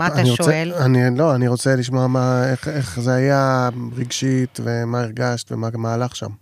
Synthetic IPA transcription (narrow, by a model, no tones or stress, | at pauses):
aaniʁoseanilo̞aniʁo̞t͡seliʃ̬moamaeχeχzeajaʁiɡʃit̪ve̞maiʁɡaʃt̪vemamaːlaχʃa̰m